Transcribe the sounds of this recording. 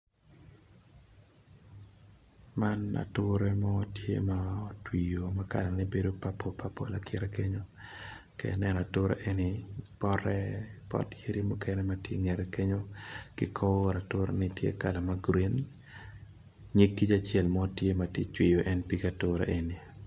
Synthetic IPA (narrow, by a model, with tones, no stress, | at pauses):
ma˦na̰˨tʊɾɛ˦mɔ˦tjḛ˦mao˦twi˨jo˨ma˦ka̰˨la˨nɪbe˦do˦pa˦pʰo˦pa˦po̰˦la˨kʰɪ˦ɾɛ˦ke˦ɲo˦ | kḛnɛ˦n˨a˨tʊ˦ɾḛ˦ʔe˦nɪ˨pɔɾɛ˦pɔ̰˦te˦ɾi˦mu˦kɛ˦nɛ˦ma˨tjḛ˦ŋɛ˨ɾe˨ke˦ɲo˦kɪ˦kʰo˦˨ɾa˨tʊ˦ɾḛ˦nɪtjḛ˦ka˨la˨ma˦ɡɾi˦n | ɲi˦kːi˦t͡ʃa˨t͡ʃjɛ˦lmɔ˦tje˦ma˨ti˦t͡ʃwɪ˨jo˨ʔɛ˦npi˦ka˨tʊɾḛ˦ʔe˨ni˨